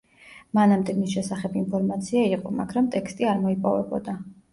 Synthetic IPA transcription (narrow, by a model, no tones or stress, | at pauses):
manamd̪ɛmisʃɛsaχɛbinpʰɔɾmat̪sʰiaiqʼɔma̰ɡɾamt̪ʼɛkst̪ʼiaɾmɔipʼɔ̰vɛ̰bɔ̰d̪a